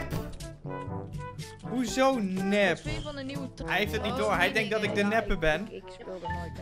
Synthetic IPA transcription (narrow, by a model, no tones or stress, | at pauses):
ɦuzownɛp | ɦɛɦeftətnit̚doːɦɛjdɛŋk̚dɔtɪɡ̚dənɛpəbɛn